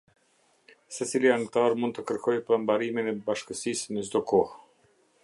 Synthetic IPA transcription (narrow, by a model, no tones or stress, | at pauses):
sɛt͡siliant̪aɾmund̪̚t̪əkəɾkʰɔjpambaɾiminɛbaʃkəsisnəzd̪ɔkɔh